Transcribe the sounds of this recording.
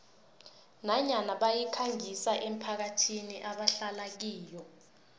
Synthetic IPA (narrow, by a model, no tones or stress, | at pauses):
naɲanaɓajikʰaŋisaʔem̩pʰak̬atʰiniʔaɓaɬalak̬iːjɔ